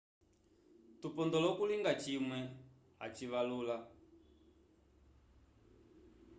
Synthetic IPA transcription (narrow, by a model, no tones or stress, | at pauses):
tupɔnd̪ɔlɔkuliŋɡat͡ʃimwɛ | ɦa̰t͡ʃiʋaluːla